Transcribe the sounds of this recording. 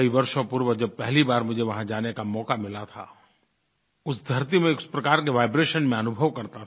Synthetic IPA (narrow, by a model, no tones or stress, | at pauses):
iʋɐɾʃõpʊɾʋəd͡ʒɐb̚pɛɦlibaːɾmʊd͡ʒʱeʋɐɦãd͡ʒaːnekamɔːkamɪlat̪ʰa̰ | ʊsd̪ʱɐɾt̪̬imẽʊspɾɐkaːɾkeʋaːɪbɾeːʃənmẽɐnʊbʱəʋkɐɾt̪a